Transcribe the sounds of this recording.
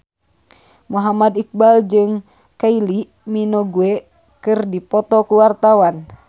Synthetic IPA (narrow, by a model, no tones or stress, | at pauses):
muɦamadik̚bald͡ʒɨŋ | kaili | minoɡue | kɨrdipɔt̪ɔkuwart̪awan